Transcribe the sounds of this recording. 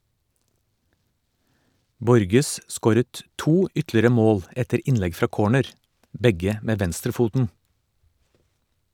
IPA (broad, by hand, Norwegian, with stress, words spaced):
ˈbɔɾɡəs ˈskoːɾət ˈtuː ˈʏtlɪɾə ˈmoːl ˈɛtəɾ ˈɪnlɛɡ ˈfɾɑː ˈkoːɳəɾ ˈbɛɡə ˈmeː ˈʋɛnstɾəˌfuːtn̩